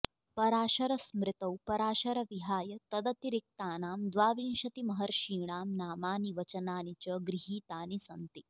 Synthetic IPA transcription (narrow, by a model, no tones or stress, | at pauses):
pɐɾaːɕɐɾɐsmɾɪt̪ɐwpɐɾaːɕɐɾɐʋiɦaːjɐt̪ɐd̪ɐt̪iɾik̚t̪aːnaːmd̪ʋaːʋinʃɐt̪imɐɦɐɾʃiːɳ̃aːmnaːmaːniʋɐt͡ʃɐnaːnit͡ɕəɡɾiɦiːt̪aːnisɐnt̪i